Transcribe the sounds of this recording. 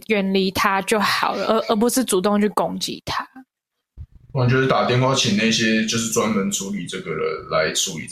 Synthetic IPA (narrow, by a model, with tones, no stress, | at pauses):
jɛ˨˩nli˧˥t̪ʰa˥t͡ɕjo˥˩ʊxɑ˨˩ʊlə˦ʔə˧˥ʔə˧˥p̬wɔ˧˥s̩˦˥t͡su˨˩t̪o˥˧ŋt͡ɕʰy˥˩ko˥ŋt͡ɕḭ˧˨˦t̪ʰa˦˨˩ | ə˨˩t͡ɕɥɛ˧˥d̪ə˧˩t̪a˨˩t̪jɛ˥˧nkʰwa˥˩t͡ɕʰi˨˩ŋna˥˧i˧ɕjɛ˦t͡ɕjo˥˧ʊʂ̬ɻ̩˥˧t͡swa˦˥nmə˨˦nʈ͡ʂʰu˧˥li˨˩t͡sɤ˥˩ɡə˨˩də̰˨˩la˧˦ɪʈ͡ʂu˧˦ḭ˨˩